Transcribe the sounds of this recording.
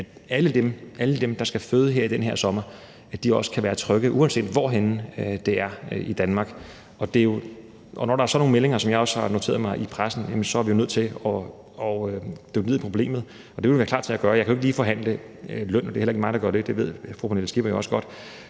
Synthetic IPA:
æ̥æləd̥emʔæləd̥emd̥ɑ̈sɡ̥æføːðˠəɦeɐ̰id̥enɦe̝ɐ̰sɒ̽mɐ | æd̥iɒ̽sə̥kʰæʋæːɐt͡sʰʁœɡ̥ð̩ˠʔuɒnse̝̰ːd̥ʋɒɦend̥e̝æɐid̥ænmɑ̈ːɡ̥ | ʔɒ̽d̥e̝jo̝ | ʔɒ̽nɒɾ̥ɑ̈æɐsɒ̽no̝ːŋ̩nmele̝ŋɐsɒ̽mjɑ̈ɪɒ̽shɑ̈no̝t͡sʰe̝̰ɐðˠmɑ̈ɪʔipʰʁasn̩jæmənsɒ̽æɐʋijo̝nøð̰ˠt͡sʰe̝lɒ̽ | ɒd̥øɡ̥əiðˠpʰʁo̝b̥le̝̰ːmð̩ˠ | ɒ̽d̥eʋeloʋæːɐkʰlɑ̥̈ːt͡sʰe̝æɡ̥ɶɐjɑɪkʰæoeɡ̥liːfɒ̽ɦæn̰lə | lœn̰d̥e̝helɐeɡ̥mɑ̈ɪd̥ɑɡɶɐd̥e̝d̥e̝ʋe̝ð̞̰ˠfupʰonelsɡ̥ib̥ɐjoɒ̽səɡ̥ɒ̽d̥

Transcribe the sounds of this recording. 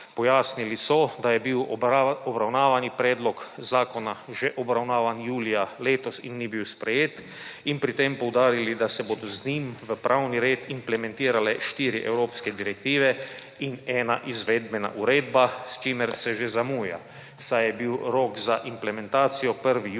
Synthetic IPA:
pɔjaːsnilisɔd̪ajɛbiwɔbɾawnaːʋanipɾɛːd̪lɔkzaːkɔnaʒeʔɔbɾawnaːʋanjuːlijaleːt̪ɔsinːibiwspɾɛjeːt̪ | inpɾit̪empɔwd̪aːɾilid̪asɛboːd̪ɔznimʋəpɾʔawniɾeːt̪implɛmɛ̃nt̪iːɾalɛʃt̪iːɾiʔɛ̰wɾoːpskɛd̪iɾɛk̚t̪iːʋɛ | inɛːnaʔizʋeːd̪bɛna̰ʔuɾeːd̪bast͡ʃiːmɛɾsɛʒezamuːja̰ | sajɛbiwɾoːkzaʔimplɛmɛ̃nt̪aːt̪sijɔpəɾʋi

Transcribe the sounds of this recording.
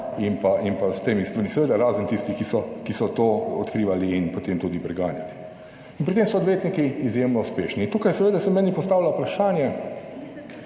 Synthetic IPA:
inpaʔinpazt̪eːmist̪ʋaɾmisɛʋeːd̪aɾaːzənt̪ist̪ixkisɔkisɔt̪oɔt̪kɾiːʋaliːnpɔt̪eːmt̪uːd̪ipɾɛɡaːnja̰li | inpɾit̪eːmsɔːd̪ʋjeːt̪nikiːzjemnɔuspeʃniːnt̪uːkajsɛʋeːd̪asɛmɛːnipɔst̪aːwlaupɾaʃaːnjɛ

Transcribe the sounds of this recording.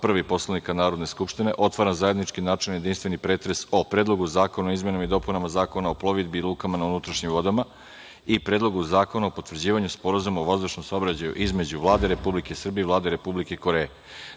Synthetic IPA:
pɾaʋipo̞slˠanikanaːɾo̞d̪ne̞skupʃt̪ine̞ʔo̞t̪ʋaɾanzajed̪nit͡ʃkinaːt͡ʃelnje̞d̪inst̪ʋe̞nipɾeːt̪ɾe̞so̞pɾeːd̪lo̞ɡuzaːko̞naoizmje̞namid̪o̞punamazaːko̞naoplˠo̞ʋid̪bilˠuːkamanaunut̪ɾaʃɲimʋo̞d̪ama | ipɾeːd̪lˠo̞ɡuzaːko̞naopo̞t̪ʋrd͡ʑiːʋaɲuspo̞ɾazumaoʋazd̪uʃnomsao̞bɾat͡ɕajṵʔizme̞d͡ʑuʋlˠaːd̪eɾe̞publike̞isr̩bievlˠaːd̪eɾe̞publikeiko̞ɾee

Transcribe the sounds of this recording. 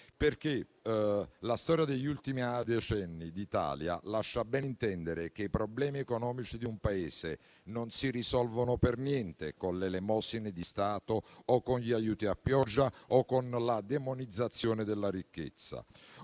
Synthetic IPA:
perk̟e | last̪ɔːɾjad̪eʎːult̪imiad̪et͡ʃɛnːid̪it̪a̰ːlja̰laʃːabɛnint̪ɛnd̪eɾek̟eipɾɔblɛːmiɛkonɔːmit͡ʃid̪iumpaeːse | nonsirisɔlvonopernjɛnt̪ekonlelemɔsinɪd̪ist̪aːt̪oːkːonʎiajuːt̪iapːjɔd͡ʒːaɔkːonlad̪emonid̪zːat̪sːjoːned̪elːaɾikːḛt̪sːa̰

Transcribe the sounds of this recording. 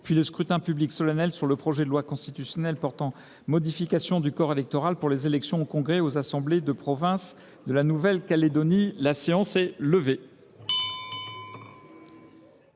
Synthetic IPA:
pɥiləskχyt̪ɛ̃pybliksɔlanɛlsyʁləpχɔʒɛd̪əlwakɔ̃st̪it̪ysjɔnɛlpɔʁt̪ɑ̃ | mɔd̪ifikʲasjɔ̃d̪ykɔʁelɛk̚t̪ɔʁalpuʁlezelɛksjɔ̃okɔ̃ɡʁeozasɑ̃bled̪əpχɔvɛ̃s | d̪əlanuvɛlkaled̪ɔnilaseɑ̃sɛləve

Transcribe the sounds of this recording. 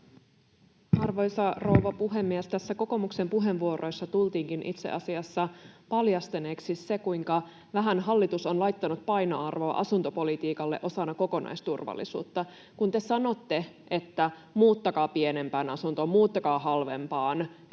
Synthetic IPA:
ʔɑrʋojsɑrouʋɑpuɦe̞mːiæst̪æsːæko̞ko̞mukse̞mpuɦe̞ʋʋuoɾo̞jsːɑt̪ult̪iːŋkinʔit̪sḛʔɑsiɑsːɑpɑljɑst̪eneːksisse̞kujŋkɑ | ʋæɦænɦɑlːit̪uso̞nlɑjt̪ːɑnut̪̚pɑjno̰ɑrʋo̞ɑ̰ʔɑsunt̪o̞po̞lit̪iːkɑlːeʔo̞sɑnːɑko̞ko̞nɑ̰jst̪urʋɑ̰lːḭsṵːt̪ːɑ | kunt̪e̞sɑno̞t̪ːe̞ | ʔe̞t̪ːæ | muːt̪ːɑkɑːpiene̞mpæːnɑsunt̪o̞mmuːt̪ːɑkɑːɦɑlʋe̞̰mpɑːn

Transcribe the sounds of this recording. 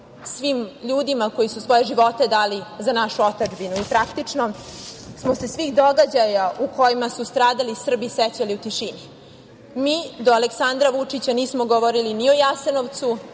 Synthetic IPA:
sʋimʎuːd̪imako̞jisusʋo̞je̞ʒiʋo̞t̪e̞d̪aːlizanaʃuo̞t̪ad͡ʒbinuipɾakt̪it͡ʂno̞smo̞se̞sʋiːxd̪o̞ɡad͡ʑajauko̞jimasust̪ɾaːd̪alisr̩biset͡ɕaliut̪iʃini | miːd̪oaleksand̪ɾaʋut͡ʂit͡ɕaniːsmoɡoʋoɾiliniojaseno̞ʋt̪su

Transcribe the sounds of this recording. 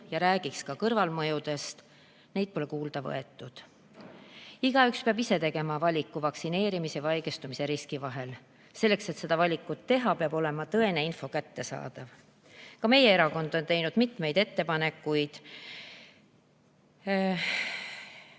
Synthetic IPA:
jɑɾæːɡ̥ikskɑkɤrvɑlmɤjud̪̥e̞st̪ | ne̞jd̪̥̚po̞le̞kuːld̪̥ɑvɤ̰e̞t̪ːˑud̪̥ | iɡ̥ɑykspeɑbise̞t̪e̞ɡ̥e̞mɑvɑlʲikːˑuvɑksine̞ːɾimise̞vɑjɡest̪umise̞ɾiskivɑɦe̞l | se̞lːe̞kse̞t̪se̞d̪̥ɑvɑlʲikːˑut̪ːe̞ɦɑpeɑb̥o̞le̞mɑt̪ɤ̞e̞ne̞info̞kæt̪ːe̞sɑ̰ːd̪̥ɑv | kɑme̞je̞e̞ɾɑko̞nd̪̥o̞nt̪e̞jnud̪̥mit̪me̞jd̪e̞t̪ːe̞pɑne̞kːˑujd̪̥

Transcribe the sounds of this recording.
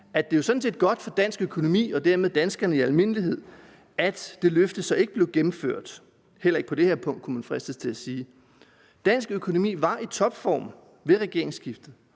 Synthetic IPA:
æd̥e̝josɒ̥̽n̩se̝ːd̥ɡ̥ɒ̽d̥fɒ̽d̥æn̰sɡ̥økʰo̝no̝mḭːɒ̽d̥æɐ̰með̞ˠd̥ænsɡ̥ɐnəiælme̝n̰liɦe̝ð̰ˠ | æd̥d̥e̝løfd̥ð̩sɒ̽e̝ɡ̥əb̥le̝ʊɡ̥emm̩føɐ̰d̥ | hel̰ɐe̝ɡ̥əpʰɒ̽d̥e̝heɐ̰pʰɔ̽ŋ̰d̥kʰumænfʁɛsd̥əst͡sʰe̝læsiː | d̥æn̰sɡ̥økʰo̝no̝mḭːʋɑ̈ʔit͡sʰɒ̽b̥fɒ̰ːm | ʋe̝ʁɛɡ̥e̝ɐ̰e̝ŋsɡ̥ifd̥ð̩ˠ

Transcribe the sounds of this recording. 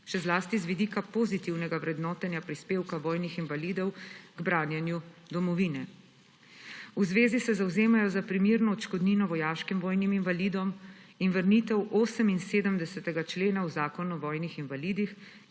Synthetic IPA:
ʃɛzlaːst̪izʋid̪iːkapozit̪iwnɛɡawɾɛd̪nɔːt̪ɛnjapɾispeːwkaʋɔːjnixinvaliːd̪ɔwɡbɾaːnjɛnjud̪ɔmɔʋiːnɛ | uzʋeːzisɛzawzeːmajɔzapɾimiːɾnɔɔt͡ʃkɔd̪ninɔʋɔjaːʃkimʋɔːjniminvaliːd̪ɔminʋəɾniːt̪ɛwʔoːsəminseːd̪əmd̪ɛsɛt̪ɛɡat͡ʃleːnauzaːkɔnuʋɔːjnixinvaliːd̪ix

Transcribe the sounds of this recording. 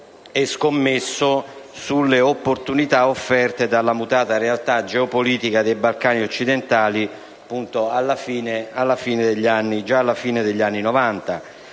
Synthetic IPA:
ɛskomːesːosulːeopːort̪unit̪aofːɛrt̪ed̪alːamut̪aːt̪aɾealt̪ad͡ʒɛopoliːt̪ikad̪ejbalkaːniot͡ʃːid̪ent̪aːli | pːunt̪oalːafiːnealːafiːned̪eʎːanːid͡ʒaːlːafiːned̪eʎːanːinovant̪a

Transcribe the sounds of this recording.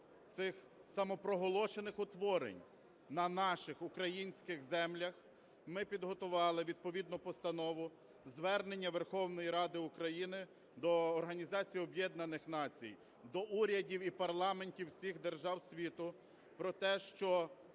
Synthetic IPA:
t̪sɪx | sɐmɔpɾɔɦɔlˠɔʃenɪxʊt̪ʋɔɾḛnʲ | nɐnɑʃɪxʊkɾɐjinʲsʲkɪxzɛmlʲɐx | mɪpʲid̪ɦɔt̪ʊʋɑlˠɪʋʲid̪̚pɔʋʲid̪nɔpɔst̪ɐnɔʋʊ | zʋɛrne̞nʲːɐʋerxɔwnɔjiɾɑd̪ɪʊkɾɐjinɪ | d̪ɔːrɦɐnʲizɑt͡sʲijɔbjɛd̪nɐnɪxnɑt͡sʲḭj | d̪ɔʔuɾʲɐdʲiwipɐrlˠɑmenʲtʲiwsʲixd̪erʒɑwsʲʋʲit̪ʊ | pɾɔt̪ɛʃt͡ʃɔ

